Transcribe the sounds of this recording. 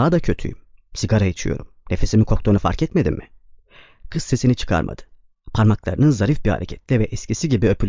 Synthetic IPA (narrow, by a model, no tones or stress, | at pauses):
ad̪acʰø̞t̪ʰy̰jimsiɡaɾajit͡ʃʰɯjo̞̰ɾumne̞fe̞simikʰo̞k̚t̪ʰonufa̰ɾcʰɛt̪me̞d̪imːɪ | kʰɯsse̞sinit͡ʃʰɯ̥kʰa̰ɾmʔa̰d̪̥ɯ̥ | pʰaɾmaklˠa̰ɾɯnɯnzaɾifbiha̰ɾḛcʰɛt̪lʲɛvɛʔɛscisiɟibiøpylʲ